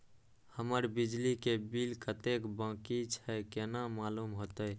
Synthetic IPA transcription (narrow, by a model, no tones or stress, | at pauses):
həməɾbid͡ʒlikebilkət̪ekbãkit͡ʃʰɛkenamalumɦot̪əj